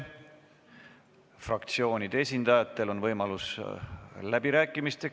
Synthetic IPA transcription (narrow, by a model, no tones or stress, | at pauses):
frɑkt̪sio̞ːnʲid̪̥e̞sʲind̪̥ɑjɑt̪ːˑe̞lo̞nvɤjmɑlus | læb̥iɾæːkːˑimist̪e̞